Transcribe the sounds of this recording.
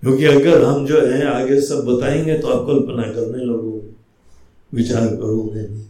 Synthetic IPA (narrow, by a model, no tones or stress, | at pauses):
kjõːkiɐɡəɾɦɐmd͡ʒoːɦɛ̃aːɡesɐbːɐt̪aːẽːŋɡet̪oaːp̚kolpənakɐɾneloːɡõ | ʋɪt͡ʃaːɾkɐɾuɡlẽː